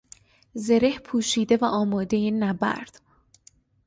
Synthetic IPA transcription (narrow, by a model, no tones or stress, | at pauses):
zeɾehpʰuːʃiːd̪e̞væʔɒːmɒːd̪einæbæ̰ɾd̪̥